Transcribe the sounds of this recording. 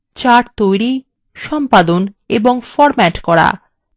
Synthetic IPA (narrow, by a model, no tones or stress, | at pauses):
t͡ɕaʈt̪ojɾi | ʃɔmpad̪on | eboŋfɔɾmɛʈkɔɾa̰